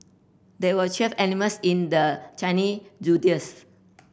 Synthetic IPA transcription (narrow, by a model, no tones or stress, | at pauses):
d̪ɛwət͡ʃɛfɛniməsĩndət͡ʃãnid͡ʒudiəs